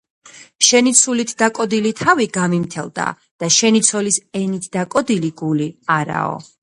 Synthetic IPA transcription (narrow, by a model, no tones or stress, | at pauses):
ʃɛnit̪sʰulit̪ʰd̪akʼɔd̪ilit̪ʰaviɡamimt̪ʰɛlˠd̪a̰ | d̪̥aʃɛnit̪sʰɔlisɛnit̪ʰd̪akʼɔd̪iliɡuliaɾa̰ɔ̰